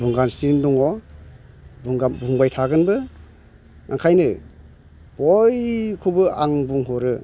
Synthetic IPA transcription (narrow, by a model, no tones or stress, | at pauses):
buŋɡanstindɔŋɔ | buŋɡabuŋbajtʰaɡɯnbɯ | ŋʔaŋkʰajnɯ | b̥ɔjkʰubɯaŋbuŋɦɔɾɯ